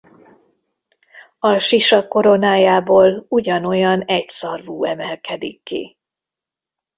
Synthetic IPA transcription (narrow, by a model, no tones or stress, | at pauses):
ɒʃiʃɒko̞ɾo̞naːjaːboːluɟɒno̞jɒnɛcsɒrvuːɛmɛlkɛd̪ikːḭ